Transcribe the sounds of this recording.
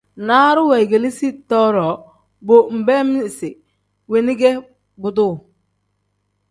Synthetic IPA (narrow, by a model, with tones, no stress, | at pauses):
na˦ɾʊ˦wɛ˨jɡe˨li˦si˦tɔ˦ɾɔ˨ | bo˨m̩˨bɛ˦mi˦˨sɪ˨ | we˨nɪ˦ɡɛ˦ | bʊ˨dʊ˦˨